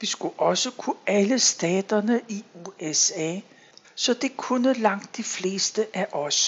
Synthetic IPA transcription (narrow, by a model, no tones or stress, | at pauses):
ʋisɡ̥uʔɒ̽səkʰuæləsd̥ɛ̰ːd̥ɐnəʔiuesɛ̰ː | sɒ̽d̥e̝kʰunəlɑ̈ŋ̰d̥ːifle̝̰ːsd̥əʔæʔɒ̽s